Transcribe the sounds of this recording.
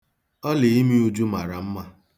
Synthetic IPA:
ɔ˦le˨i˦mi˦u˦d͡ʒu˦ma˨ɾa˨m̩˦ma˦

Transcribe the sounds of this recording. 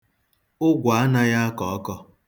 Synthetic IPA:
ʊ˦ɡʷa˨a˦na˦ja˦a˦kɔ˨ɔ˦kɔ˦

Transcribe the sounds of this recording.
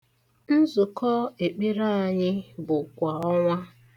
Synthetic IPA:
n̩˦zʊ˨kɔ˦e˨k͡pi˦ɾa˦˨a˨ɲɪ˦bʊ˨kʷa˨ɔ˦ŋʷa˦

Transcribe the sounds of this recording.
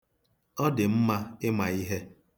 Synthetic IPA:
ɔ˦dɪ˨m̩˦ma˦ɪ˦ma˨i˦ɦe˦

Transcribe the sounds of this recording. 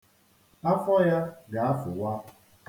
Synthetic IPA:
a˦fɔ˦ja˦ɡa˨a˦fʊ˨wa˦

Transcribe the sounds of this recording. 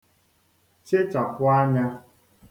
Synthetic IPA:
t͡ʃe˦t͡ʃa˨kʊ˦a˦ɲa˦

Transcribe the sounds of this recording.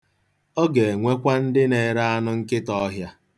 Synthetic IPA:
o˦ɡe˨e˨ŋʷe˦kʷa˦n̩˦dɪ˦ne˨ɾa˦a˦nʊ˦ŋ̩˦kɪ˦tɔ˦ɦja˦

